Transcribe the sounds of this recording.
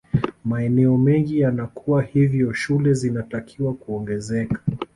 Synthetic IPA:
maɛnɛɔmɛŋɡijanakʰuwahivjɔʃulɛzinatakʰiwakuɔŋɡɛzɛkḁ

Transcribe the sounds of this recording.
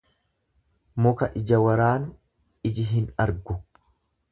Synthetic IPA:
mʊkɐʔɪd͡ʒɐwɐɾaːn | ɪd͡ʒɪɦɪnɐɾɡʊ

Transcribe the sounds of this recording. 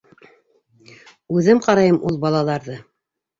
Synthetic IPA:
ʉðɘmqɑɾɑjɤmʔulˠbɑlˠɑlˠɑɾðɤ

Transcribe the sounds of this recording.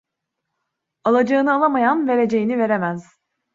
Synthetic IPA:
alˠad͡ʒaɯnɯalˠamajanve̞ɾe̞d͡ʒe̞jinive̞ɾemæz̥

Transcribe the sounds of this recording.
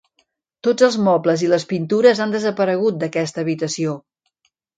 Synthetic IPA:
t̪od͡zəlˠzmɔbləziləspint̪uɾəzand̪əzəpəɾəɣut̪̚d̪əkɛst̪əːβit̪əsio

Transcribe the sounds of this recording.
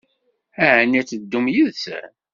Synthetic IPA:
æʕənæt͡sːəd̪ːumjiðsæ̰

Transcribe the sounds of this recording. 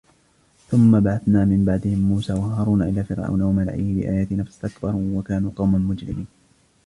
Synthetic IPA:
θʊmːabaʕaθnaːmɪmbaʕd̪ɪhɪmːuːsaːwahɑɾˤuːnaʔɪlaːfɪɾʔa̰wnawamala̰ʕʔɪhɪbɪ̰ʔa̰ːjaːt̪ɪnafsʔakbɑɾˤwakaːnuːqɑwmamʊd͡ʒɾɪ̰miːn

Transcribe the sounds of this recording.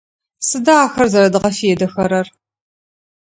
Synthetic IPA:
sɨdaːxɐrzɐɾɐdɨʁɐfijɛdɐxɐɾɐr

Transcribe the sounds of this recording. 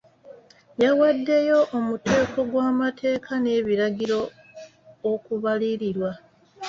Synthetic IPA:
jawadːe̞jo̞ʔomute̞ːkʰo̞ɡwaːmatʰe̞ːkʰane̞ːβiɾaɡiɾo̞ː | kuβaliɾiɾwa

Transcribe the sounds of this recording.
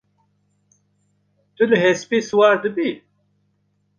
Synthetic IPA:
t̪uləɦespiːswaːɾd̪ɨbi

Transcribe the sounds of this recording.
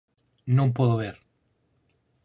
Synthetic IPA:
nõmpoðoβeɾ

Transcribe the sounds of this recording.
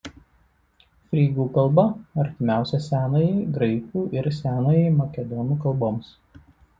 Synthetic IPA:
fʲɾʲiːɡuːkɐlˠˑbɐɐɾʲt̪ʲɪmʲæˑʊsʲɛsʲæːnoːjɛɪɡɾɐɪkuːʔɪɾsʲæːnoːjɛɪmɐkʲɛd̪ɔnuːkɐlˠboːms

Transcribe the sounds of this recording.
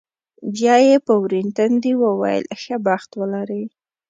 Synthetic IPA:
bɑjepəwɾint̪and̪iwawɑ̰j̰lʔxabaxt̪wəlaɾə

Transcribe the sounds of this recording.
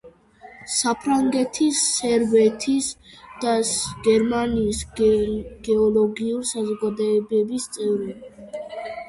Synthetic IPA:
sapʰɾaŋɡɛt̪ʰisːɛɾbɛt̪ʰisd̪̥aɡ̥ɛɾmaniːs | ɡ̥ɛɔlɔɡiuɾisazɔɡad̪ɔɛbɛbist̪sʼɛvɾɛ

